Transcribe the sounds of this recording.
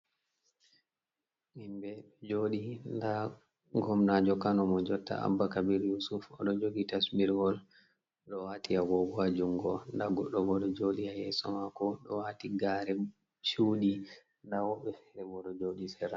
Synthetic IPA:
ʔimbɛɗɔd͡ʒoɗinda | ɡɔmnad͡ʒɔkanɔmɔd͡ʒɔtːa̰a̰bːakabiɾjusufɔ̰ɗɔd͡ʒoɡitasmiɾɡɔl | ɗɔwatiaɡɔɡad͡ʒuŋɡɔndaɡɔɗːɔɡɔɗɔd͡ʒoɗiajɛsɔmakɔɗɔ̰watiɡaɾɛ | t͡ʃuːɗi | ndawɔɓɛfɛɾɛbɔɗɔd͡ʒoɗisɛɾa

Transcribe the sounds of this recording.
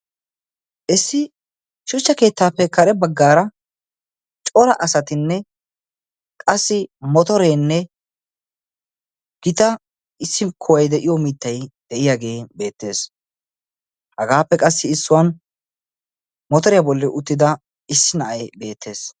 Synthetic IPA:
ʔɪsːɪ | ʃʊt͡ʃːɐke̞ːt̪ːaːpːɛkɐɾɛbɐɡːaːɾɐ | t͡ʃʼɔɾɐʔɐsɐt̪ɪnːɛ | kʼɐsːɪmɔt̪ɔɾeːnːɛ | ɡ̥ɪt̪ɐ | ɪsːɪkʰɔwɐjd̪ɛʔɪjɔmit̪ːɐjd̪̥ɛʔɪjaɡe̞ːbe̞ːt̪ːe̞ːs | hɐɡaːpːɛkʼɐsːɪɪsːʊwɐn | mɔt̪ɔɾɪjabɔlːɛʔʊt̪ːɪd̪ɐ | ɪsːɪnɐʔɐjbe̞ːt̪ːe̞ːs

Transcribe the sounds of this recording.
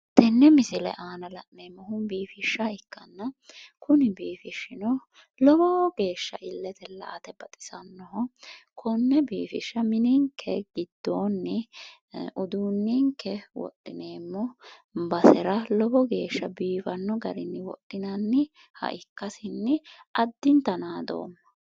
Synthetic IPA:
t̪ɛnːɛmɪsɪlɛ̰ʔaːnɐlɐʔne̞ːmːɔhʊnbiːfɪʃːɐɪkːɐnːɐkʊnɪbiːfɪʃːɪnɔ | lɔbɔɡe̞ːʃːɐ̰ʔɪlːɛt̪ɛlɐ̰ːt̪ɛbɐt̪ʼɪ̥sɐnːɔɦɔkʰɔnːɛbiːfɪʃːɐmɪnɪŋkʰːɛɡɪd̪ːoːnːɪ | ʔʊd̪uːnːiŋkːɛwɔ̰ʔːɪne̞ːmːɔbɐsɛɾɐlɔbɔɡe̞ːʃːɐbiːfɐnːɔɡɐɾɪnːɪwɔ̰ʔɪnɐnːɪ | hɐ̰ʔɪkːɐsɪnːɪʔɐd̪ːɪnt̪ɐnaːd̪o̰ːmːɐ̥

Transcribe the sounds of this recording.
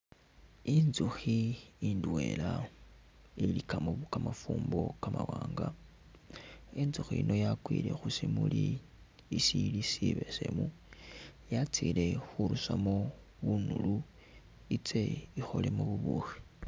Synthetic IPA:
inzuxiindwe̞ːla | ilikamoβkamafuːmbo̞kamawaːŋɡa | inzuxiino̞jakwile̞xusimuli | isilisiβe̞se̞̰mu | jat͡sile̞xuɾusamo | βunulu | it͡se̞ixo̞le̞muβuβuxi̥

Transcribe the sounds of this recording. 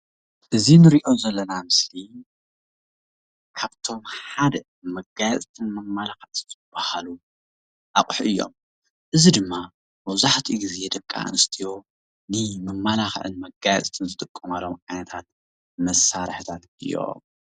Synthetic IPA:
ʔɨzinɨɾiʔo̞zɐlːɐnamɨsli | kʰaβt̪ʰo̞mħad̪ɐ | mɐɡajɛt̪ʼt̪ʰɨnmɐmːalaxɐʔzzʰɨb̥ːahalu | ʔakʼħʔɨjːo̞̰m | ʔɨzid̪ɨmːa | mɐβzaħt̪ʰiɡized̪ɐkʼːa̰ʔɨ̰nɨst̪ʰijo | nɨmɐmːalaxʔɨ̰nmɐɡajɛ̰t̪ʼt̪ʰɨnzɨt̪ʼɨkʼːɨmalomʔajnɐt̪ʰat̪̚ | mɐsaɾħt̪ʰat̪ɨjːo̞̰

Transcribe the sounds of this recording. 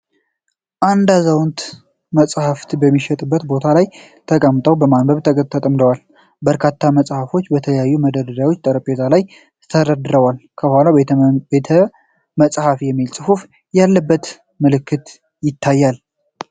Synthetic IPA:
ʔand̪azawnt̪ | məsʼhaft̪bəmːiʃɛt̪ʼɨbːət̪bo̞t̪ʰalaj | t̪ʰəkʼəmt̪ʼəwbəmanbəβt̪ʰəkʼət̪ʰːət̪ʼəmd̪əwal | bəɾkʰat̪ʰːaməsʼhafo̞t͡ʃːbət̪ʰələjajːuməd̪əd̪əd̪awot͡ʃːt̪ʼəɾəpʼezalaj | t̪ʰəɾəd̪ɨɾəwalkʰəbhʷalabet̪ʰə | məsʼhafjɛmːilsʼɨfuf | jalːəbːət̪ | mɨlɨkʰːɨt̪ | jɪt̪ʰːajːal

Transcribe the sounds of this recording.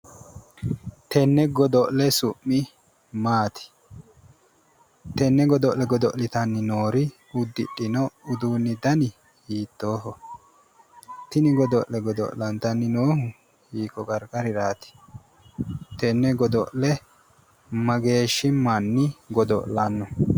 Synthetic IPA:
t̪ɛnːɛɡɔd̪ɔʔlɛsʊʔːɪ | maːt̪ɪ̥ | t̪ɛnːɛɡɔd̪ɔʔlɛɡɔd̪ɔʔlɪt̪ɐnːɪnoːɾɪ | ʊd̪ːɪ̰ɗːɪnɔʊd̪uːnːɪd̪ɐnɪ | hiːt̪ːo̞ːɦɔ | t̪ɪnɪɡɔd̪ɔʔlɛɡɔd̪ɔ̰ʔlɐnt̪ɐnːɪnoːhʊ | hiːkːɔkʼɐɾkʼɐɾɪɾaːt̪ɪ̥ | t̪ɛnːɛɡɔd̪ɔʔlɛ | mɐɡe̞ːʃːɪmɐnːɪɡɔd̪ɔ̰ʔlanːɔ

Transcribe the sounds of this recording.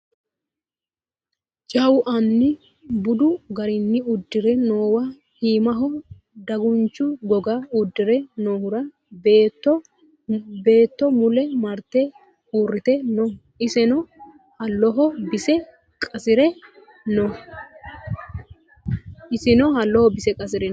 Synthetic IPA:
d͡ʒɐwʊʔɐnːɪ | bʊd̪ʊɡɐɾɪnːɪʊd̪ːɪɾɛnoːwɐ | hiːmɐɦɔ | d̪ɐɡʊnt͡ʃːʊɡɔɡaʊd̪ːɪɾɛnoːhʊɾɐ | bt̪ːɔ | be̞ːt̪ːɔmʊlɛmɐɾt̪ːɛ | uːrːɪt̪ɛnɔ | ɪsɛnɔ | hɐlːɔɦɔbɪsɛ | kʼɐsɪɾɛ | nɔ | ɪsɪnɔhɐlːɔhɔbɪsɛkʼɐs̬ɪɾɛ

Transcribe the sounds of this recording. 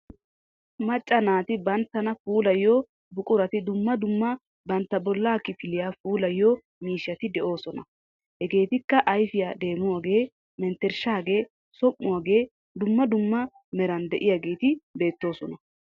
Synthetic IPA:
mɐt͡ʃʼːɐnaːt̪ɪbɐnt̪ːɐnɐfuːlɐjːɔ | bʊkʼʊɾɐt̪ɪd̪ʊmːɐd̪ʊmːɐ | bɐnt̪ːɐbɔlːaːkːɪfɪlɪjaːfuːlɐjːɔ | miːʃːɐt̪ɪd̪ɛʔo̞ːsɔnɐ | hɛɡe̞ːt̪ɪkːɐʔɐjfɪjaːd̪e̞ːmʊwaːɡe̞ː | mɛnt̪ːɛɾʃaːɡe̞ː | sɔʔːʊwaːɡe̞ː | d̪ʊmːɐd̪ʊmːɐ | mɛɾɐnd̪ɛʔɪjaɡe̞ːt̪ɪbe̞ːt̪ːo̞ːsɔnɐ

